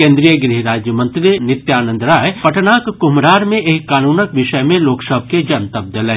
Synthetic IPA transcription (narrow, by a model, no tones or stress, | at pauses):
kẽːnd̪ɾijəɡɾiɦɾaːd͡ʒjəmə̃nt̪ɾinɪt̪jaːnə̃nd̪ɾaːjpɐʈnaːkkʊmɾaːɾmẽʔeːkːaːnuːnəkʋɪʃəjmẽloːksəb̚ʱked͡ʒɐnt̪əb̚d̪əlẽː